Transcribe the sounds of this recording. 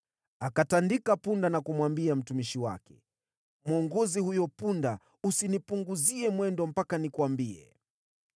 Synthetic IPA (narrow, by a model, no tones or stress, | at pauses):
akatandikapundanakumwambiam̩tumiʃiwa̰kɛ̥ | mwɔŋɡɔzihujɔpunda | usinipuŋɡuziɛmwɛndɔm̩pakanikuwambiɛ̰